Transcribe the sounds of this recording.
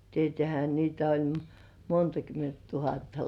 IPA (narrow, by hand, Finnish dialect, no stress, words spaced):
tietĕæˑhæ niːtæ olʲ montɑ kyment tuhɑtːɑ